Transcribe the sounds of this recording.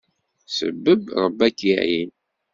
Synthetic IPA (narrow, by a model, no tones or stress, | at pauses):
sə̰bːəbɾˤəbːækːiʕjin